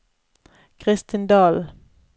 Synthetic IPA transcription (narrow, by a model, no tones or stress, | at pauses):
kʰʁɪst̪ɪnd̪ɑːl